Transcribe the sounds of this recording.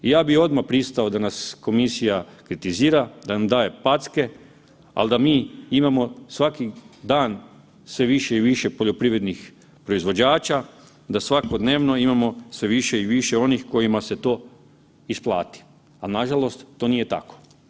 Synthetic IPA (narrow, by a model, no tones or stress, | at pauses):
ijaːbio̞d̪mapɾist̪ao̞d̪anasko̞misijakɾit̪iziːɾad̪anamd̪aːje̞pat̪ske̞ | a̰ld̪amiːimamo̞sʋakid̪aːn | sʋe̞ʋiʃeiʋiʃe̞po̞ʎo̞pɾiʋɾe̞d̪nix | pɾo̞izʋo̞d͡ʑaːt͡ʃa | d̪asʋako̞d̪ne̞ːʋno̞imamo̞sʋe̞ʋiʃe̞iʋiʃe̞o̞nixko̞jimaset̪o̞ː | isplˠa̰ːt̪i̥ | alnaʒalo̞st̪ːo̞ːnije̞t̪a̰ko̥